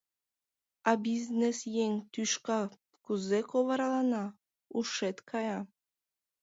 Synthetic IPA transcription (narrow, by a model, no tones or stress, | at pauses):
ɑbʲiznesjeŋt̪yʃkɑ | kuzekovɑɾɑlˠɑnɑ | uʃet̪kʰɑjɑ